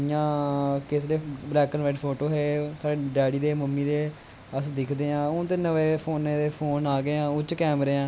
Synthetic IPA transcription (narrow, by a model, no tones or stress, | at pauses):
ɪjãːkes̬ɾeːblɛːkənʋaɪɖpʰoːʈoːɦeːsaːɽeːɖɛːɽiːd̪eːməmːiːd̪eː | əsd̪ɪkʰd̪eːãːʊ̃t̪eːnəʋeːpʰoːnẽːd̪eːpʰoːnaːɡeːãːʊt͡ʃːkɛːmɾeːãː